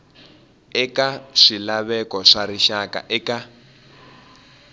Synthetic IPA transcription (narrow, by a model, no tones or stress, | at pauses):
ɛkaʂilaβɛkɔʂaɾiʃaka̰ʔɛka